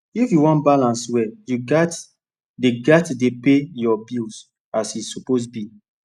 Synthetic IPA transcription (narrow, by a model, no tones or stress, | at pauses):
ifjuwɔ̃nbalãnswɛjuɡat | deɡatdepejɔbils | asisuposbi